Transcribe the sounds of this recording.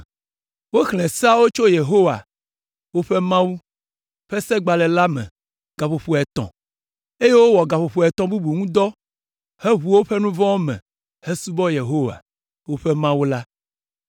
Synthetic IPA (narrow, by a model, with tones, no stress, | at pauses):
wo˦xlɛ̃˨sa˦wo˦t͡ʃo˦je˨ɦo˦wa̰˨ | wo˦ɸe˦mã˦wu˦ | ɸɛ˦sɛ˦ɡ͡ba˨lɛ˨la˦mɛ̰̃˨ | ɡ̥a˨ɸo˨ɸo˨ɛ˨t̪ɔ̰̃˨ | e˦je˦wo˦wɔ˨ɡa˨ɸo˨ɸo˨ɛ˨t̪ɔ̃˨bu˦bu˨ŋũ˦d̪ɔ˦ | he˦ɦu˨wo˦ɸe˦nũ˦vɔ̃˦wo˦mɛ̰̃˨ | he˦su˦bɔ˦je˨ɦo˦wa̰˨ | wo˦ɸɛ˦mã˦wu˦la˦